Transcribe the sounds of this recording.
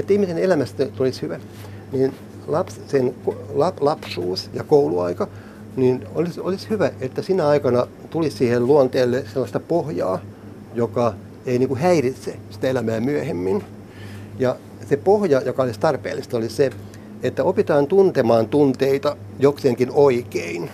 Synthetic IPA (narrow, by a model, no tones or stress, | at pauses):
et̪ːæihmisenelæmæst̪æt̪olishyʋæ | niːn | lɑpssenkolɑplɑpsuːsjɑkouluɑ̰ikɑ | ninolisolishyʋæet̪ːæsinæɑikɑnɑ | t̪ulissiːhelluɑnt̪eːlːeselːɑst̪ɑpohjɑ̰ː | jokɑ | einiːŋkuhæirit̪sesi̥t̪æelæmæːmyøhemːin | jɑ | sepohjɑjokɑolist̪ɑrpḛːlːist̪ɑolise | et̪ːæopit̪ɑːnt̪unt̪emɑːnt̪unt̪eit̪ɑ | jokseːŋkinoikein